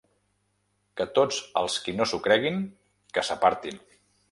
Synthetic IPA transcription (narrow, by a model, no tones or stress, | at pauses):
kət̪od͡zə̰lˠskinosukɾɛɣ̞iŋ | kəsəpaɾt̪in